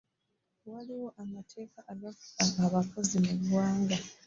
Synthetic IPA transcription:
waliwo̞ʔamatʰe̞ːkaʔːɡafu̥aːβakozimuβwaːŋɡa

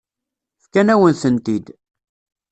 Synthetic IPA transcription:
fkænæwənθənt̪id̪

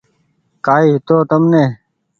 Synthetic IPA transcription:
kaːiːɦɪt̪oːt̪əmneː

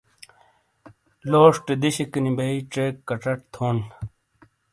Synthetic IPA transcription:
loːʂʈed̪iɕekinibɐiʈ͡ʂekːɐʈ͡ʂɐʈt̪ʰoːn

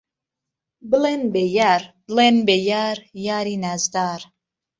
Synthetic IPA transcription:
bɨlenbejaɾblenbejaɾjaːɾinæzd̪aːɾ

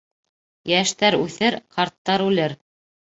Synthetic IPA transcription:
jæʃt̪æɾʉθɘɾqʰɑɾt̪ːɑɾʉlɘɾ

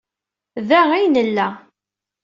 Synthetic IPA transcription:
ðæijnəlːæ

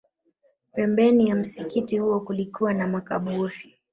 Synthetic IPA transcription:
pɛmbɛnijam̩sikitihuɔkulikuwanamakaɓuɾi

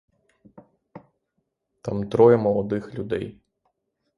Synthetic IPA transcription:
t̪amt̪ɾɔjɛmɔlˠɔd̪ɪxlʲʊd̪ɛj

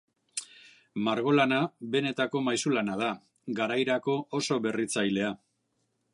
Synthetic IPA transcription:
maɾɣo̞lanabe̞ne̞t̪ako̞majsulanaða | ɡaɾajɾako̞oso̞βe̞rit͡sajle̞a

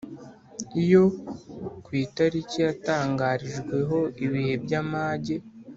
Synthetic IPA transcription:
ijo̞ | kwiːtaɾicijataːŋɡaːɾiʒɡwe̞ɦo̞iβihe̞bɟamaːɟe̞

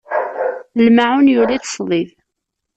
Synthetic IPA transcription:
lmaʕʊnjʊliθə̥sˤðˤið

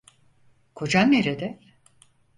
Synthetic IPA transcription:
kʰo̞d͡ʒanːeɾed̪ɛ

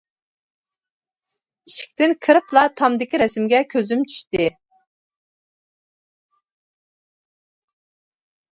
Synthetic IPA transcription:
iʃi̥k̚ʲt̪ɪnkʰɨɾɨplˠɑt̪ʰɑmd̪ɪkʲiɾɛsmɡʲɛkʲʰøzymt͡ʃʰy̥ʃt̪ɪ

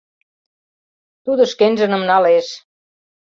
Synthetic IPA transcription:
t̪ud̪ə̆ʃkenʲʒə̆nə̆mnɑleʃ

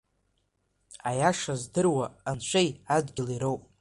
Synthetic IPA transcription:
ajaʂazdɨrwaːnʃʷejad͡zɡʲɪliɾowpʼ

